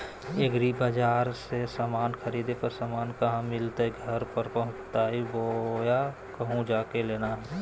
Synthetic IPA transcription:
eɡɾibaːd͡ʒaːɾsesaːmaːnkʰəɾiːd̪epəɾsaːmaːnkɐɦãmɪlt̪aiɡʱəɾpəɾpɐɦʊ̃t͡ʃt̪aːɦiboja | kəɦũd͡ʒaːkeleːnaɦɛ

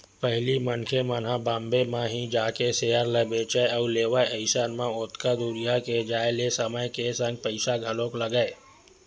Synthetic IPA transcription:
pəɦlimənkʰemən̤abãːmbemãɦĩd͡ʒaːkeseːəɾləbeːt͡ʃəauleːʋəəɪsaːnmãʊt̪kad̪uɾijaked͡ʒaːelesəməjkesə̃ŋɡ̚pəɪsaɡʱɐlõkləɡəe

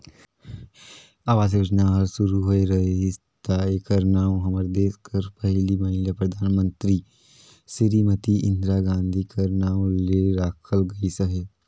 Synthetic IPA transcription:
aːʋaːs̬eɾɐd͡ʒnaɦɐɾsʊɾuɦoeɾɐɦes | t̪aːekəɾnaːõɦɐməɾd̪eːskʰəɾpɐɦlimaːɪ̃ljapɾɐd̪ʱaːnmə̃nt̪ɾiː | sɪɾimət̪iʔɪ̃nd̪ɾaːɡãːnd̪ʱikɐɾnaːõleɾaːkʰəlɡɐisəɦeː

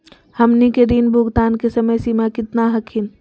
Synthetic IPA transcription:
hɐmnikeɾiːnbʱʊɡt̪aːnkesəməjsiːmakɪt̪naɦɐkʰin

